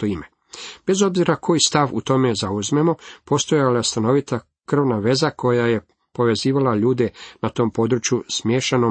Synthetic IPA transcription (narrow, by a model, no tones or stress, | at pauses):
oime | b̥e̞zo̞bziɾakʰo̞jist̪aʋṵt̪o̞me̞zauzme̞mo̞po̞st̪o̞jaljest̪ano̞ʋit̪a | kr̩ʋnaʋe̞zakʰo̞jaje̞ | po̞ʋe̞ziːʋalaʎuːd̪e̞nat̪o̞ːmpo̞d̪ɾut͡ʃjusmjeːʃeno